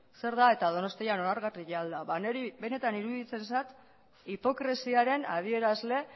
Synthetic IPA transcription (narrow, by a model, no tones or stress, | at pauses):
se̞ɾðae̞t̪að̞o̞no̞st̪ijano̞naɾɣariʝeald̪aβaneɾibe̞ne̞t̪aniɾuðit͡se̞nsat̪ | ipo̞kɾe̞siaɾe̞nað̞ie̞ɾazle̞